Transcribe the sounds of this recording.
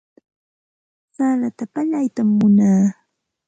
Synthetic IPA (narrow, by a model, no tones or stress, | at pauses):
salat̪apaʎajt̪amːʊnaː